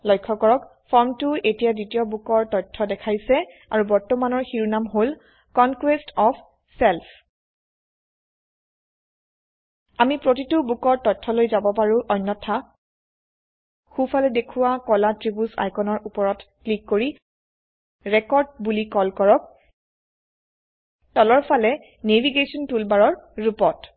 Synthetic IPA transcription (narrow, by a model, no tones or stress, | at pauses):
lɔjkʰːɔkɔɹɔk | fʰɔɹmtʊʔetijaditijɔbukɔɹtɔjtʰːɔdɛkʰaɹisɛ | aɹubɔɹtɔmanɔɹxiɹunamɦol | kɔnkwestɔpʰ | sɛlpʰ | amipɹotitubukɔɹtɔjtʰːɔlojzabɔpaɹuʔɔjnːɔtʰa | xupʰalɛdekʰuwakɔlatɹibusa̰jkɔnɔɹupɔɹɔtklikːoɹi | ɹɛkɔɹd̚bulikɔlkɔɹɔk̚ | tɔlɔɹpʰalɛ | neviɡesɔntulbaɹɔɹɹupɔt